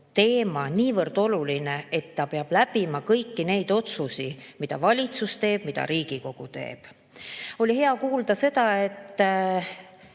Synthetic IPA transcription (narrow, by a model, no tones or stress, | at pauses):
t̪e̞ːmɑniːvɤrd̪̥o̞lulinee̞t̪ːɑpeɑb̥læbimɑkɤjkːine̞jd̪̥o̞t̪susimid̪ɑ̰vɑlʲit̪sust̪e̞ːb̥mid̪ɑ̰ɾiːɡ̥iko̞ɡ̥ut̪e̞̰ːb̥ | o̞lʲihe̞ɑkuːld̪̥ɑse̞d̪̥ɑe̞t̪ː